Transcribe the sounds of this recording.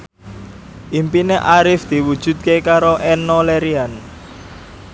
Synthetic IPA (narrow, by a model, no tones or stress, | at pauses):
ʔimpineʔaɾɪfd̪̥i̤wud̥ʒ̥ṳd̪̚kekaɾoʔɛnːɔlɛɾian